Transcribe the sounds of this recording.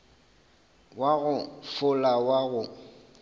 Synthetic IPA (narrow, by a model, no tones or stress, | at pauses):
waɣʊfʊlawaɣʊ